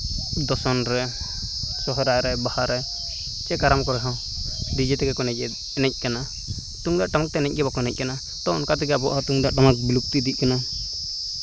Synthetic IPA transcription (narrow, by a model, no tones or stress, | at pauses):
d̪ɔsɔnɾɛ | sɔɦɔɾajɾɛbahaɾɛ | t͡ʃɛkaɾamkɔɾɛɦɔ̃ | ɖid͡ʒɛt̪ɛɡɛkɔnɛc̚ɛ | ɛnɛc̚ˀkana | t̪uŋd̪aʔʈamak̚t̪ɛnɛc̚ˀɡɛbakɔnɛc̚ˀkana | t̪ɔnkat̪iɡɛabɔʔat̪uŋd̪aʔʈamak̚biluk̚t̪id̪ic̚ˀkana